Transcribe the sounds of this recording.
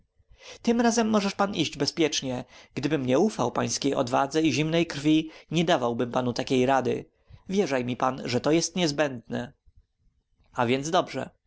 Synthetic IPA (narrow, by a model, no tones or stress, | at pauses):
t̪ɘmɾazɛmːɔʐɛʂpaniʑd͡ʑbɛspʲjɛt͡ʂɲɛɡ̥d̪ɘbɘmɲɛufawpaj̃skʲejʔɔ̰d̪va̰d̪zɛiʑimnɛjkɾfʲiɲɛd̪avawbɘmpanut̪akʲejɾad̪ɘ̰ | vʲjɛʐajmʲipanʐɛt̪ɔjɛst̪ɲɛzbɛnd̪̚nɛ | avʲjɛnd̪zd̪ɔbʐɛ̰